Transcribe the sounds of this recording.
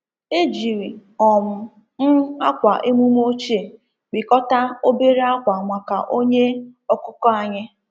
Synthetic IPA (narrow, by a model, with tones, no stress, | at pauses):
e˦d͡ʒi˨ɾi˨ɔ˨mʊ˨ | n̩˦a˦kʷa˨ʔe˦mu˦m˦o˦t͡ʃe˨ | k͡pi˨kɔ˦ta˦o˦be˦ɾe˦a˦kʷa˨ŋʷa˨ka̰˨ʔo˦ɲe˦ɔ˦kʊ˦kɔ˦a˦ɲɪ˦